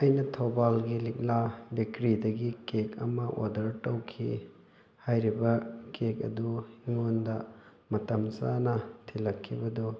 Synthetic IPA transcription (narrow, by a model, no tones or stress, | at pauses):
ɐjnɐtʰɐwbalɡilik̚labikɾidɐɡikekʰɐ̰mɐʔo̰dɐɾtɐwkʰi | hajɾibɐkek̚ɐ̰duiŋondɐ | mɐtɐmsanɐtʰilɐkʰːibɐdɔ